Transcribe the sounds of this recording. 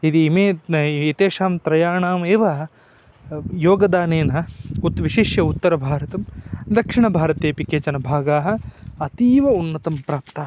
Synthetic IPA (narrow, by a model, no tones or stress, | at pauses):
id̪iːmeːit̪eːʂaːmt̪ɾɐjaːɳaːmeːʋɐ | joːɡɐd̪aːneːnɐut̪ʋiʃiʃjɐut̪ːɐɾɐbʱaːɾɐt̪ɐmd̪ɐkʂiɳɐbʱaːɾɐt̪eːpikeːt͡ʃɐnɐbʱaːɡaːɦɐ̆ɐt̪iːʋɐunːɐt̪ɐmpɾaːpt̪aː